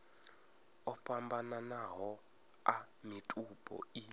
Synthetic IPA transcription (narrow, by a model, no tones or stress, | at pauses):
ɔpʼambananaɦɔ | a | mitʼupʼɔ̰i